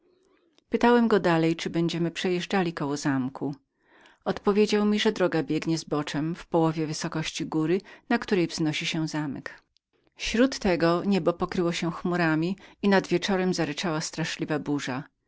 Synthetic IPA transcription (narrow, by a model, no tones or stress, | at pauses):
pɘt̪awɛmɡɔd̪alɛjt͡ʂɘbɛɲd͡ʑɛmɘpʂɛjɛʐd͡ʐalʲikɔwɔzamkʰu | ɔt̪pɔvʲjed͡ʑawmʲiʐɛd̪ɾɔɡabʲjɛɡɲɛzbɔt͡ʂɛmfpɔwɔvʲjɛvɘsɔkɔɕt͡ɕiɡuɾɘnakt̪uɾɛjvznɔɕiɕɛzamɛ̰k | fɕɾut̪ːɛɡɔɲɛbɔpɔkɾɘwɔɕɛxmuɾamʲiinad̪vʲjɛt͡ʂɔɾɛmzaɾɛt͡ʂawast̪ɾaʂlʲivabuʐa